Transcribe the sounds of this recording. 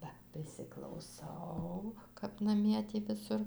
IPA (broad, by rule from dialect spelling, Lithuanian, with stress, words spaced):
ˈbɐ pʲrʲɪsʲɪklˠɐʊˈsɐʊ kɐp nɐˈmʲiɛ ˈtʲiː ʋʲɪˈsʊr